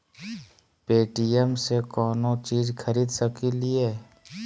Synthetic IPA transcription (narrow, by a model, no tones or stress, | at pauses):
peːʈijemsekɔːnõt͡ʃiːzkʰəɾiːd̪səkilieː